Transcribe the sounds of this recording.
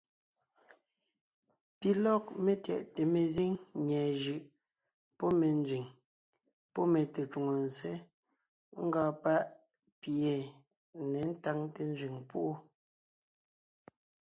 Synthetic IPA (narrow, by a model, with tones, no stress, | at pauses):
pi˨lɔ˦k̚me˨tjɛ̰˨ʔte˨me˨zi˦ŋɲɛː˨ʒɯ˨ʔ | pɔ˦me˨n˦zɥi˨ŋ | pɔ˦me˨te˨t͡ʃu˨ŋo˨n˨se˦ | ŋ̩˦ɡɔː˨pa˦ʔ | pje˨ | ne˨n̩˦ta˦˨ŋte˦n˦zɥi˨ŋpu˦ʔo˦